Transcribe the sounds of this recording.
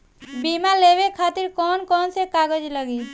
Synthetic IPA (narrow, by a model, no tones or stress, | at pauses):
bimaleːwekʰaːt̪ɪɾkɔːnkɔːnsekaːɡəd͡ʒləɡi